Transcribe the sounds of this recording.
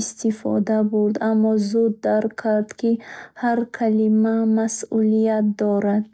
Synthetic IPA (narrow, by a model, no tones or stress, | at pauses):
st̪ifɔ̰d̪abuɾd̪amːɔzud̪ːaɾkkʰːaɾd̪kʰihaɾkʰalimamasulijat̪̚d̪ɔɾad̪̥̚